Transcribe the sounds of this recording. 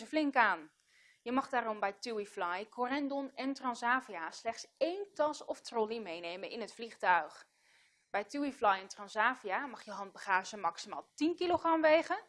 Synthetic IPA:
zəflɪŋkaːn | jəmɑχdaːrɔmbɛjtuwiflɑjkɔrɛndɔnɛntrɑnsaːviaslɛχtsejntɑsɔftrɔlimejnejmənɪnətfliχtœɥχ | bɛjtuwiflɑjɛntrɑnsaːviamɑχjəɦɑnd̚bəχaːʒəmɑksima̰ːlˠtinkiloχrɑmʋejχə

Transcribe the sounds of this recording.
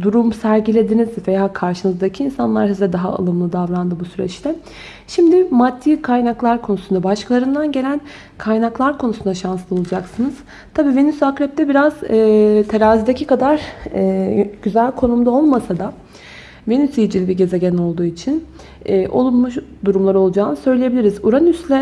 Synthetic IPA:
d̪uɾumsæɾɟilʲe̞d̪inizvejaːkʰaɾʃɯnɯzd̪acʰiinsanlˠaɾsizd̪ɛd̪aɦa̰a̰lˠɯmlˠɯd̪avɾand̪ɯbusyɾɛ̰t͡ʃlʲɛ | ʃimd̪ɪmad̪ʰːiːkʰajnaklˠaɾkʰonusund̪abaʃkʰalˠaɾɯnd̪anɟe̞lʲæn | kʰajnaklˠaɾkʰo̞nusund̪aʃanslˠɯo̞lˠud͡ʒaksɯnɯz̥ | t̪ʰabiːvenysakɾɛp̚t̪ʰɛbiɾaz̥ɛːt̪ʰe̞ɾaːzid̪ecʰikad̪aɾ | ɟ̥yzælʲkʰo̞numd̪ao̞lˠmasad̪a | venysijd͡ʒilʲibiɟe̞ze̞ɟɛno̞lˠd̪uːit͡ʃʰinː | ʔo̞̰lˠunmuʃd̪uɾumlˠaɾo̞lˠud͡ʒaːnɯsø̞jlʲejebilʲiɾizuɾanyslʲɛ

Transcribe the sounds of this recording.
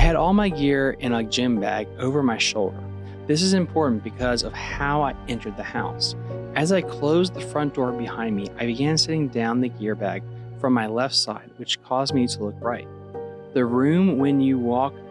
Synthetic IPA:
ɨɾɔlˠmaɪɡɪɹɪ̃nəd͡ʒɪ̃mbæ̰ɡoʊvə˞maɪʃoʊlˠdə̰˞ | ðɪs̬ɨzɨ̃mpʰɔɹʔn̩b̥ɨkʰʌzʌv̥haʊaɪɛ̃ntʰə˞d̪̚ðɨhaʊsɨzaɪkʰl̥oʊzðəfɹʌ̃nd̥ɔɹbɨhãɪ̃nmiʔa̰ɪbɨɡæ̃nsɪɾɪ̃ŋdãʊ̃nðɨɡɪɹbæ̰ɡ̥ | fɹʌ̃mːaɪlɛftsa̰ɪd̚wɨt͡ʃkʰɔzmiɾəlʊk̚ɹaɪt̪̚ | ðɨɹʉ̃mwɨ̃njɨwɔk̚

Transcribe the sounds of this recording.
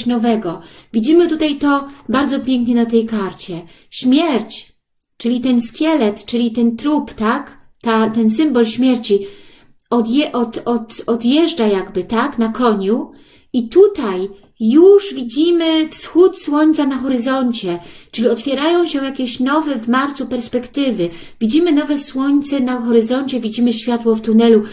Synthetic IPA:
nɔvɛɡɔvʲid͡ʑimɘt̪ut̪ajt̪ɔbaɾd̪zɔpʲjɛŋkɲɛnat̪ɛjkaɾt͡ɕɛ | ɕmʲjɛɾt͡ɕ | t͡ʂɘlʲit̪ɛnskʲjɛlɛt̪t͡ʂɘlʲit̪ɛnt̪ɾupt̪ak | t̪at̪ɛns̬ɘmbɔlɕmʲjɛɾt͡ɕi | ɔd̪jɛʔɔt̪ɔt̪ɔd̪jɛʐd͡ʐajaɡbɘt̪aknakʰɔɲu | it̪ut̪aj | juʐvʲid͡ʑimɘfsxut̪swɔɲt̪sanaxɔɾɘzɔɲt͡ɕɛt͡ʂɘlʲiɔt̪fʲjɛɾajɔ̃w̃ɕɛ̃jakʲɛɕnɔvɛvmaɾt̪supɛɾspɛkt̪ɘvɘ | vʲid͡ʑimɘnɔvɛswɔɲʲt̪sɛnaxɔɾɘzɔɲt͡ɕɛvʲid͡ʑimɘɕfʲjat̪wɔft̪unɛlu

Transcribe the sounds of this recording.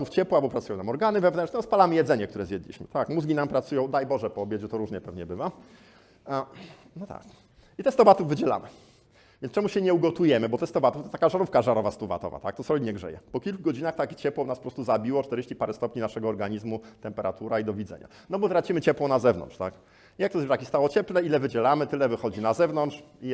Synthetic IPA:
t̪uft͡ɕɛpwabɔpɾat̪sujɔ̃namɔɾɡanɘvɛvnɛnt͡ʂɲɛɔspalamɘjɛd̪zɛɲɛk̚t̪uɾɛzjɛd̪lʲḭɕmɘ̰t̪akmuzɡʲinampɾat̪sujɔ̃w̃d̪ajbɔʐɛpɔːbʲjed͡ʑɛt̪ɔɾuʐɲɛpɛvɲɛbɘva | a | nɔt̪a̰k | it̪ɛst̪ɔvat̪uvːɘd͡ʑɛla̰mɘ̰ | v̥ʲɛnt͡ʂɛmuɕɛɲɛuɡɔt̪ujɛmɘbɔt̪ɛst̪ɔvat̪uft̪ɔt̪akaʐaɾufkaʐaɾɔvast̪uva̰t̪ɔ̰va̰t̪ak̚t̪ɔsɾɔlʲiɲɛɡʐɛ̰jɛ̰pɔkʲilkuɡɔd͡ʑinaxt̪akʲt͡ɕɛpwɔnaspɔpɾɔst̪uzabʲiwɔt͡ʂt̪ɛɾeɕt͡ɕipaɾɛst̪ɔpɲinaʂɛɡɔːɾɡaɲizmut̪ɛmpɛɾa̰t̪uɾaid̪ɔvʲid̪zɛ̰ɲa̰ | nɔbɔt̪ɾat͡ɕimɘt͡ɕɛpwɔnazɛvnɔ̰ntt͡ʂt̪ak | ijak̚t̪ɔzvɾakʲist̪awɔt͡ɕɛplɛilɛvɘd͡ʑɛlamɘt̪ɘlɛvɘxɔd͡ʑinazɛvnɔntʂ | i

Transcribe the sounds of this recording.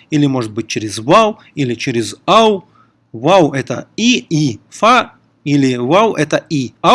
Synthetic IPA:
ilʲɪmoʐɨt̪̚bɨt̚ʲt͡ɕeɾʲɪzvaw | ilʲɪt͡ɕeɾʲɪzaw | wawɛt̪ə̰iifa | ilʲɪwawʔɛt̪əia

